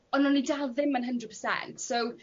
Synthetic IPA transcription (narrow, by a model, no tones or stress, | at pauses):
ɔnɔnːidalˠðɪmːənɦəndrəd̚pʰəsɛ̰ntsow